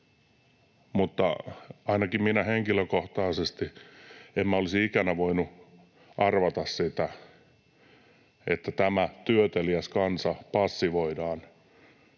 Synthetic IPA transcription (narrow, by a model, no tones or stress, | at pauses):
mut̪ːɑɑinɑkimminæheŋkiløkoht̪ɑːsest̪iemmæolisiikænæʋoinu | ʔɑrʋɑt̪ɑssit̪æ | ḛt̪ːæt̪æmæt̪yøt̪eliæskɑnsɑpɑsːiʋoidɑːn